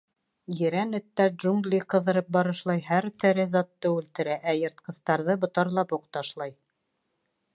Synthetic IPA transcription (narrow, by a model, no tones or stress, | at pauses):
jɘ̆ɾænɘ̆t̪ːæɾdʒuŋɡlʲiqɤ̆ðɤ̆ɾɤp̚bɑɾɤ̆ʃlˠɑjhæɾt̪ɘ̆ɾɘzɑt̪ːɤʉlt̪ɘ̆ɾæʔæjɤ̆ɾt̪̚qɤ̆st̪ɑɾðɤbŏt̪ɑɾlˠɑpuqt̪ɑʃlˠɑj